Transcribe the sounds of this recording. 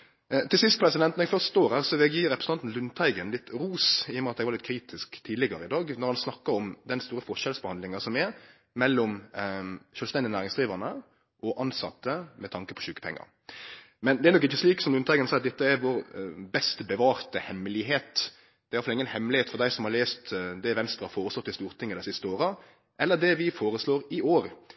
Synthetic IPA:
t̪ʰɪlsɪst̪pʰɾɛsɪd̪ɛnt̪nɛɡfœʁst̪oːɾæɾsɔʋɛɡjiːɾɛpɾəsəɑnn̩lʉnt̪ʰæɪɡənlɪt̪ːɾuːsɪːɔmɛɑt̪̚ɛɡʋɑlɪt̪̚kʰɾiːt̪ʰɪskt̪ʰiːd̪lɪɡɑɾəɪd̪ɑːɡnɔɾhɑnsnɑkːəɾɔmd̪ɛnst̪uːɾəfɔʃɛlsbəhɑnd̪lɪŋɑsɔmɛɾ | mɛlːɔm | ʃœːlst̪ɛnd̪ɪnæːɾɪŋsd̪ɾiːʋənə | ʔɔʔɑnsɑ̰t̪ːəmɛt̪ʰɑŋkəpʰɔ̥ɕʉːkə̥pʰɛ̰ŋːɑ̰ɾ | mɛnd̪ɛæɾnɔkɪçːəsliːksɔmd̪ʉnt̪ɑːɡənsɛɪɑt̪̚d̪ɛt̪ːəɛɾʋɔːɾbɛst̪bəʋɑːɾt̪əhɛmːlɪɦeːt̪ | d̪ɛːɾɑt̪fɑlɪŋːənhɛmlɪheːt̪fɔɾd̪æɪsɔmhɑleːst̪d̪ɛʋɛnst̪ɾʁɑhɑfoːɾəslɔt̪ːɪst̪uːɾt̪ʰɪŋːəd̪æɪsɪst̪əoːɾə | ʔɛlːəd̪ɛʋɪfoːɾəsloːɾɪoːɾ

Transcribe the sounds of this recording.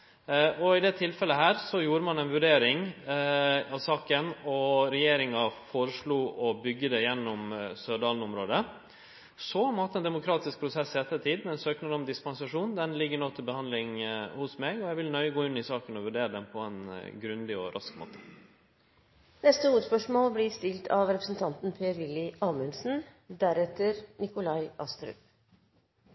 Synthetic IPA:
ɔɪd̪ɛt̪ʰɪlfɛlːəɦæːɾsɔjuːɾəmɑnɛɪnʋʉɖeːɾɪŋ | ɑʋsɑːkənɔɾɛjeːɾɪŋɑfoːɾəʂɭuːʔɔbʏɡːəd̪ɛjɛnːɔmsøːɖɑːlnɔmɾoːd̪ə | sɔɔmɑt̪ːɛnd̪ɛmʊkʰɾɑːt̪ɪsk̚pʰɾʊsɛsːɪɛt̪ːət̪ʰiːd̪mɛnsøːknəɔmd̪ɪspɑnsɑʂuːnd̪ɛnlɪɡːəɳoːt̪ʰɪlbəhɑnd̪lɪŋhʊsmɛɡɔjæʋɪlnœʏɡoːɪnːɪsɑːkənɔʋʉɖeːɾəd̪ɛmpʰɔɛnɡɾʉnd̪ɪɔɾʔɑskmo̰ːt̪ʰə̥ | nɛst̪əuːt̪spœʂmoːlblɪst̪ɪlt̪ʰɑʋɾɛpɾsən̩t̪ʰɑnt̪n̩pʰeːəɾʋɪlːɪʔɑːmʉnsn̩d̪æɾɛt̪əɾnɪkʊlɑɪʔɑst̪ɾʉ̰ːp

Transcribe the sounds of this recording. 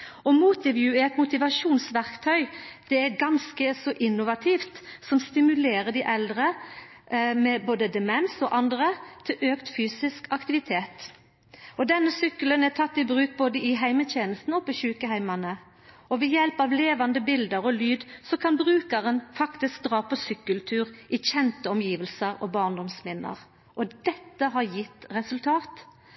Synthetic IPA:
ɔmuːt̪ɪʋjʉæɛt̪mʊt̪ɪʋɑʂuːnsʋæʁkt̪ʰœʏd̪̥ɛæɾɡɑnskəsɔʔɪnːʊʋɑt̪ʰiːft̪sɔmst̪ɪmʉleːɾəd̪ɪʔɛld̪ʁə | mɛboːd̪əd̪ɛmɛnsɔʔɑnd̪ʁət̪ʰɪlʔøːkt̪fyːsɪskɑkt̪ɪʋɪt̪ʰeːt̪ | ɔd̪ɛnːəsʏkːələnæt̪ʰɑt̪ːɪbʁʉːk̚boːd̪əɪɦæɪmət̪ʰeːnəst̪nɔpɔçʉːkəɦæɪmɑnə | ɔʋɛjɛlpɑʋleːʋɑnd̪əbɪld̪əɾɔlyːd̪sɔkʰɑnbʁʉːkɑʁənfɑkt̪ɪsk̚d̪ʁɑːpʰɔsʏkːʉlt̪ʰʉːɾɪçɛnt̪əɔmjiːʋəlsəɾɔbɑːʁnd̪ɔmsmɪnːə̰ʁ | ʔɔd̪ɛt̪ːəɦɑɾjɪt̪ːʁɛsʉlt̪ʰɑːt̪

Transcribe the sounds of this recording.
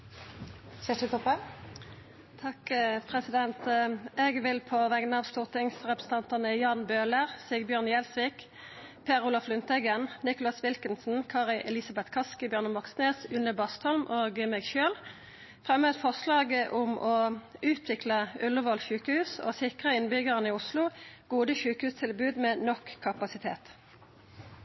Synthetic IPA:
seʈʉt̪ɔpə | t̪ʰɑkpʰʁɛsɪd̪ɛnt̪ɛːɡʋɪlpʰɔʋɛɡnɑːʋst̪uːʁt̪ʰɪŋsʁɛpʁəsn̩t̪ɑnt̪ɑnəjɑːnbøːləʁsiːɡəbjøːʁnjɛlsʋiːk | pʰeːʁʊːlɑflʉnt̪ɛɡənnɪkʊlɑsʋɪlkənsn̩kʰɑːʁɪʔɛlɪsɑbɛt̪kʰɑskəbjœʁnəmɑksneːsʉnːəbɑst̪ɔlmʔoːɡmɛːɡʃøːl | fʁɛmœd̪fɔʁslɑːɡəʔʊmʔɔʉːt̪ʰʋɪkləʉlːəʋɔlʃʉːkəhʉːso̰ːsɪkʁəɪnbʏɡəʁənɪːʊslʊɡ̥uːd̪əʃʉːkhʉːst̪ʰɪlbʉːd̪meːnɔkkʰːɑpɑsɪt̪ʰḛːt̪

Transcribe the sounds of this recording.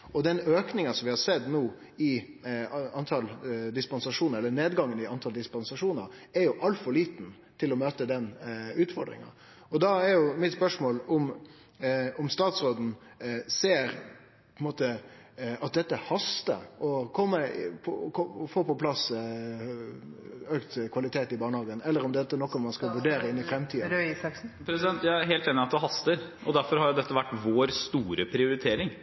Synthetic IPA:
ɔd̪ɛnøːknɪŋɑsɔmʋɪhɑɾsɛd̪nuː | ɪ | ɑnt̪ʰɑld̪ɪspɑnsɑʂuːnəɾɛlːəneːd̪ɡɑŋːənɪɑnt̪ʰɑld̪ɪspɑnsɑʂuːnəɾɛɾjʊʔɑlt̪fɔɾɭiːt̪n̩ | t̪ʰɪlːɔmøːt̪əd̪ɛnʉːt̪fɔɾɖ̪ɾɪ̰ŋɑ̰ | ɔd̪ɑɛɾjʊmɪt̪spœʂmoːlʊm | ʊmst̪ɑːt̪sɾoːd̪n̩seːɾ | pʰɔnmoːt̪ə | ɑt̪̚d̪ɛt̪ːəhɑst̪ə̰ɔkʰɔmːəpʰɔkʰɔfoːpɔpʰlɑs | øːkt̪kʰʋɑlɪt̪ʰeːt̪ɪbɑːɳəhɑːɡənɛlːəɾʊmd̪ɛt̪ːənɔkːɔmɑnskɑʋʉɖeːɾəɪnːɪfɾɛmt̪ʰiːd̪ɾøisɑksn̩pʰɾɛsɪd̪ɛnt̪jæɪæɾɦeːlt̪eːnɪɑt̪̚d̪ɛɦɑst̪əɾʔɔd̪æɾfɔɾhɑɾjʊd̪ɛt̪ːəʋæʈːʋoːɾst̪uːɾəpʰɾɪʊɾɪt̪ʰeːɾɪŋ

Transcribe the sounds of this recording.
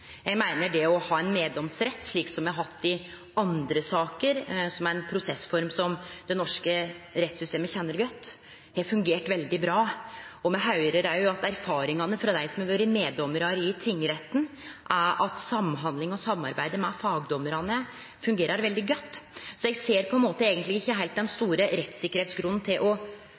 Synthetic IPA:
jɛɡmæɪnəɖɛɔhɑːɛnmeːd̪ɔmsɾɛt̪ːʂɭiːksɔmjɛhɑɾhɑt̪ːɪ | ɑnd̪ɾəsɑːkəɾsɔmæɾɛnpʰɾʊsɛsfɔɾmsɔmd̪̥ɛnɔʂkəɾɛt̪ːsʏst̪eːməçɛnːəɾɡœt̪ː | hɛfʉŋɡeːʈʋɛld̪ɪbɾɑːɔmɛɦɑʉɾəɾæɾjʊɑt̪æɾfɑːɾɪŋɑnəfɾɑd̪æɪsɔmɛʋøɾɪmeːd̪ɔmːəɾɑɾɪt̪ʰɪŋːɾɛt̪ːn̩ʔæɾɑt̪sɑmːɦɑnd̪lɪŋɔsɑmːɑ̰ɾbæɪd̪əmɛfɑːɡd̪ɔməɾɑnə | fʉŋɡeːɾɑɾʋɛld̪ɪɡœt̪ːsɔɛɡseːɾpʰɔɛnmoːt̪əeːɡənt̪lɪɡɪçːəɦæɪlt̪̚d̪ɛnst̪uːɾəɾɛt̪ːsɪkːəɾheːt̪sɡɾʉnːn̩t̪ʰɪlʔɔ

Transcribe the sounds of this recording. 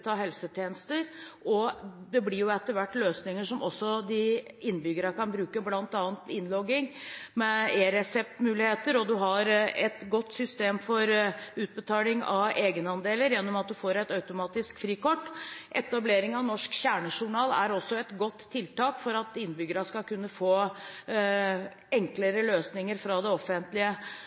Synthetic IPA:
t̪ʰɑːɦɛlsət̪ʰjeːnəst̪əɾɔd̪ɛblɪɾjʊɛt̪ːəʋæʈːløːsnɪŋəʂɔmʔɔsːɔd̪ɪɪnːbʏɡəɾɑkɑnbɾʉːkəblɑnt̪ɑːnt̪ɪnlɔɡːɪŋmɛeːɾɛsɛp̚t̪mʉːlɪheːt̪əɾɔd̪ʉɦɑɾɛt̪ɡɔt̪ːsʏst̪eːmfɔɾʉːt̪̚bət̪ʰɑːlɪŋɑ̰ʔeːɡənəɑnd̪eːləɾjɛnːɔmɑt̪̚d̪ʉfoːɾɛt̪ɑʉt̪ʊmɑːt̪ɪskfɾiːkɔʈːʔɛt̪ɑbleːɾɪŋɑʋnɔʂkɕæːɳəʂʊɳɑːlæ̰ɾɔsːɔɛt̪ɡɔt̪ʰːɪlt̪ɑːkfɔɾɑt̪ɪnːbʏɡəɾɑskɑkʉnːəfoː | ɛŋkləɾəløːsnɪŋəɾfɾɑd̪ɛɔfənt̪lɪə

